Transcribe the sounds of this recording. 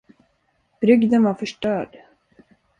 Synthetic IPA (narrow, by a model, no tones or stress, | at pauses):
b̥ɾʏɡd̪ənvaɾfœʂʈœːɖ